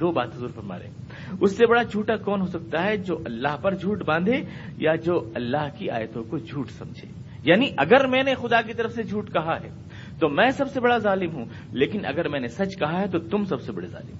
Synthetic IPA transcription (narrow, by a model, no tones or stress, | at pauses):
d̪oːbaːt̪ɦʊzuːɾfɐɾma̰ːɾḛ̃ː | ʊsːebɐɽad͡ʒʱuːʈakɔːnɦosɐk̚t̪aɦɛd͡ʒoːʔɐlːaːɦpɐɾd͡ʒʱuːʈbãːnd̪ʱejad͡ʒoːɐlːaːɦkia̰ːjət̪õkod͡ʒʱuːʈsɐ̰̃md͡ʒʱḛː | jaːniʔɐɡəɾmɛ̃ːnexʊd̪ak̬it̪ɐɾəfsed͡ʒʱuːʈkɐɦaɦɛ̰ː | t̪omɛ̃ːsɐbsebɐɽazaːlɪmɦũ | leːkɪnʔɐ̰ɡəɾmɛ̃ːnesɐt͡ʃkɐɦaɦɛt̪ot̪ʊmsɐbsebɐɽeza̰ːlɪ̰m